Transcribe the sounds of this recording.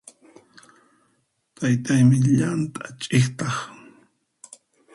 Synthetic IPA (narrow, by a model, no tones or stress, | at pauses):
t̪ajt̪ajmɪʎant̪ʼat͡ʃʼɪχt̪ɑχ